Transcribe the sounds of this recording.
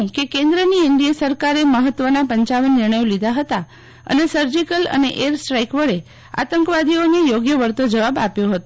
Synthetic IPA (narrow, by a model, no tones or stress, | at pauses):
kekẽnd̪ɾəniɪɳɖijəsəɾkaɾeməɦət̪ːʋənapəɲt͡ʃaʋənːɪɾɳəjolid̪ʱaɦət̪a | ə̰nesəɾd͡ʒikələ̰neʔeɾsʈɾajkʋəɭe | a̰t̪əŋkʋad̪ʱionejoɡjəʋəɾt̪od͡ʒəʋaba̰pjoɦət̪o